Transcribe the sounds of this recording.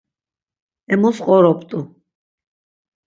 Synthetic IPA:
ɛmɔsqʼɔɾɔp̚ʰt̪ʼu

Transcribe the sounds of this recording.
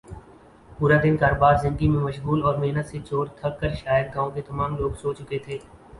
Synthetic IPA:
puːɾad̪ɪnkaːɾoːbaːɾzɪ̃nd̪əɡimẽmɐʃɣuːlɔːɾmeɦnət̪set͡ʃoːɾt̪ʰɐkːəɾʃaːjəd̪̚ɡãːõket̪ɐmaːmloːɡsoːt͡ʃʊket̪ʰeː

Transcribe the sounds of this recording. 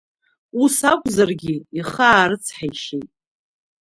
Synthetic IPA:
usakʷʼzarɡʲɪiχaːɾɨt͡sʰħajʃejtʼ

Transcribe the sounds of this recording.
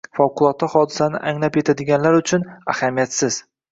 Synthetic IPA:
fɒwqʰʊlˠɒt̪ːahɒd̪ɪsanɪ̰ʔaŋlapje̞t̪ʰad̪ɪɡʲanlaɾʊt͡ʃʰʊna̰hamijat̪sɪz̥

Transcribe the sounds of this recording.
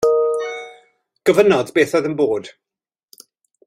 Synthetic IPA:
ɡ̥əvənɔdbeːθɔjðənboːd̥

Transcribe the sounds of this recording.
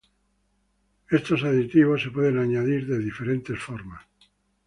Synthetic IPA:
e̞st̪o̞saðit̪iβo̞sːepwe̞ðenaɲaðiɾðe̞ðife̞ɾe̞nt̪e̞sfoɾmas

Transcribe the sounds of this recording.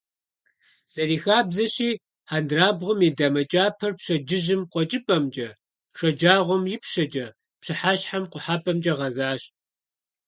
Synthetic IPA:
z̥ɐriːxaːbzɐɕiː | ħandraːbʁʷʊmidamɐt͡ʃʼaːpʰɐrpɕɐd͡ʒɪʑɪmqʷɔt͡ʃʼɨpʼɐmt͡ʃʼɐ | ʂɐd͡ʒaːʁʷɔmjɪpʃɐd͡ʒʼɐ | pɕɨħaːɕħamqʷʊħapʰʼɐmt͡ʃʼɐʁɐzaːɕ

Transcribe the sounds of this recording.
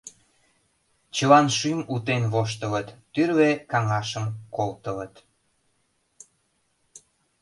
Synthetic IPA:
t͡ɕəlɑnʃymut̪enβoʃ̬t̪ələt̪ːyrβekɑŋɑʃəmkolt̪ələt̪

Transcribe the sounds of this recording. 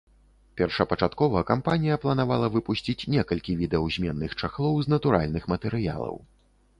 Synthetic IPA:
pʲɛrʂɐpɐt͡ʂat̪kɔvɐɐkampanʲijɐplˠɐnavalˠɐvɨpusʲt͡sʲit͡sʲnʲɛkɐlʲkʲivʲid̪ɛɐwzʲmʲɛnːɨxt͡ʂaxlˠɔwznɐt̪uɾa̰lʲnɨxmɐt̪ɛɾɨja̰lˠɐ̰w

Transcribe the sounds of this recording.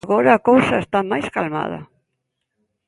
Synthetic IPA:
ɣɔɾɐːkowsɐest̪amajskalma̰ð̞ɐ̰

